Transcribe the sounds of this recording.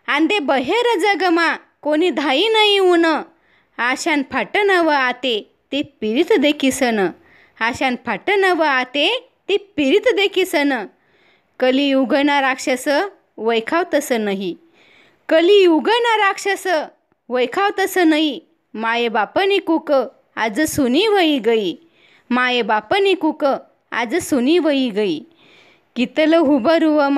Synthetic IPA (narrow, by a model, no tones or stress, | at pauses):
and̪ebəɦeɾəd͡zəɡəmakonid̪ʱainəɦiunə | aɕanpʰaʈənəʋəat̪e | t̪ipiɾit̪d̪ekʰisənə | aɕanpʰaʈənəʋəat̪e | t̪ipiɾit̪d̪ekʰisənə | kəlijuɡənaɾakʂasə | ʋəjkʰawt̪əsənəɦi | kəlijuɡənaɾakʂəsə | ʋəjkʰawt̪əsənaɦi | majebapənikukə | ad͡zəsuniʋəjiɡəi | majebapənikukə | a̰d͡zəsuniʋəiɡəi | kit̪ələɦubəɾuʋəm